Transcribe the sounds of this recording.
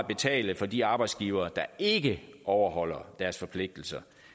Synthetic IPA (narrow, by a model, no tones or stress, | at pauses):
b̥e̝t͡sʰɛ̰ːləfɒ̽diɑ̈ːb̥ɑ̈ɪd̥sɡ̥iːʊɐːd̥ɑ̈e̝ɡ̥əʔɒʊɐɦɒ̽l̰ɐd̥æɐsfɒ̽pʰle̝ɡ̥̚d̥l̩sɐ